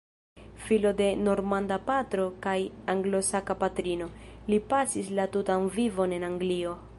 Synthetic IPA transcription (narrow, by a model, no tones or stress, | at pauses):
filo̞de̞no̞ɾmandapatɾo̞kajaŋɡlo̞sakapatɾino̞lipasislatutanvivo̞ne̞naŋɡlio̞